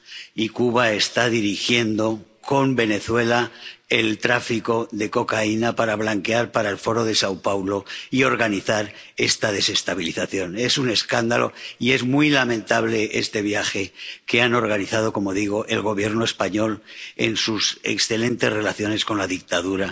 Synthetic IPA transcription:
ikuβae̞st̪aðiɾixje̞nd̪o̞ko̞mbe̞ne̞θwe̞laelt̪ɾafiko̞ðe̞ko̞kainapaɾaβ̞laŋke̞aɾpaɾaelfo̞ɾo̞ðe̞sawpawlo̞io̞ɾɣaniθaɾ | e̞st̪að̞e̞se̞st̪aβiliθaθjo̞ne̞sune̞skand̪alʔo̞̰ie̞zmujlamẽnt̪aβ̞le̞ḛst̪e̞βjaxe̞ke̞ano̞ɾɣaniθað̞o̞ko̞mo̞ðiɣ̞o̞ʔe̞lɣo̞β̞je̞ɾnoe̞spaɲo̞le̞̰nsusḛksθe̞lẽ̞nt̪e̞sre̞laθjo̞ne̞sko̞nlaðik̚t̪aðuɾa

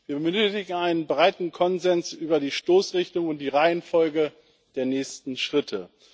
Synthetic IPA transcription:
viːɐbəmɪɡŋ̩aɪnənbʁaɪtn̩kʰɔnzɛnsʔyːbɐdiːʃtoːsʁɪçtʊŋʊnt̚d̥iːʁaɪənfɔlɡə | d̥eːɐnɛːçstn̩ʃʁ̥ɪtʰə

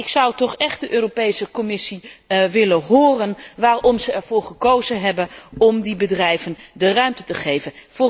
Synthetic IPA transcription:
ɪksʌwtɔχɛχt̚dəʔøːropejsəkɔmɪsiʋɪləɦʊːrənʋaːrɔmzəɛɹv̥ʊːɹχəkowzənɦɛbənʔɔmdibədrɛjvəndərœɥmtətəχejvənfʊː

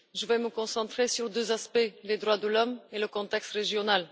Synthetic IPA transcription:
ʒəvɛməkɔ̃sɑ̃t̪χesyʁd̪øzaspɛled̪ʁwad̪əlɔmeləkɔ̃t̪ɛkst̪ʁeʒjɔnal

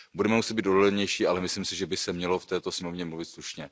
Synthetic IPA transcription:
budɛmɛmusɛd̪biːt̪dodolɛɲɛjʃiːalɛmɪslimsɪʒɛbɪsɛmɲɛloft̪ɛːt̪osɲɛmovɲɛmluvɪt̪sluʃɲɛ

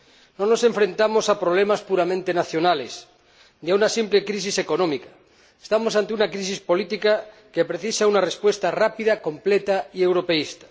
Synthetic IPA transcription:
nõnosẽɱfɾẽnt̪amosapɾoβlemaspuɾamẽnt̪enaθjonales | niaunasimplekɾis̬iseko̞nõmika | est̪amosant̪eunakɾisispo̞lit̪ika | kepɾeθisaunarespwe̞st̪arapiðakomplet̪aiewɾopeist̪ḁ

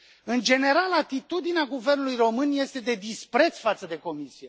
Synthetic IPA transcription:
ɨnd͡ʒe̞ne̞ɾalat̪it̪ud̪ineaɡuve̞rnulujro̞mɨnje̞st̪e̞d̪e̞d̪ispɾe̞t̪sfat̪səd̪e̞ko̞misije

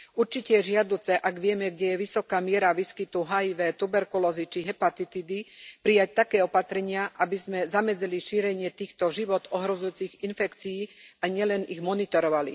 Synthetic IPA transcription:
uɾt͡ʃicɛjɛʒɪad̪uːt͡sɛʔaɡʋɪɛmɛɡɟɛjɛʋisɔkaːmɪɛɾaʋiskit̪uɦajiʋɛːt̪ubɛɾkulɔzit͡ʃiɦɛpat̪it̪id̪ipɾijac̚t̪akɛːɔpat̪ɾɛɲɪaʔabizmɛzamɛd͡zɛliʃiːɾɛɲɪɛt̪iːxt̪ɔʒiʋɔt̪ɔɦɾɔzujuːt͡siɣinfɛkt͡siiːaɲɪɛlɛniɣmɔnit̪ɔɾɔʋalḭ

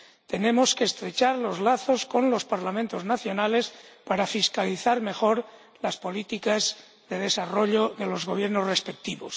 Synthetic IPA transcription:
t̪e̞nẽ̞mo̞ske̞ːst̪ɾe̞t͡ʃaɾlo̞zlaθo̞sko̞nlo̞spaɾlamẽnt̪o̞znaθjo̞nale̞spaɾafiskaliθaɾme̞xo̞ɾ | laspo̞lit̪ikaz | ðe̞ðe̞saro̞ʎoðe̞lo̞zɣo̞β̞je̞ɾno̞zrespe̞k̚t̪iβo̞s

